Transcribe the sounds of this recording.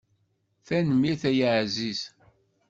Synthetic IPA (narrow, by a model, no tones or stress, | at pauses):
θænmiθæjəʕzis